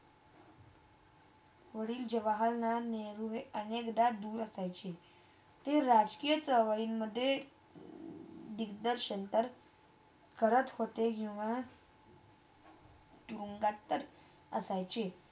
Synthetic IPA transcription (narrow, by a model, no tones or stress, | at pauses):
ʋəɽiːld͡ʑeʋaɦəlnaneɾuɦeənekd̪ad̪uːɾəsajt͡ɕe | t̪eɾad͡ʑkijət͡səʋəɭiːnməd̪ʱːje | d̪ikd̪əɾɕənt̪əɾ | kəɾət̪hot̪ekĩw̃ʋa | t̪uɾuŋɡat̪ːəɾ | ə̰sajt͡ɕe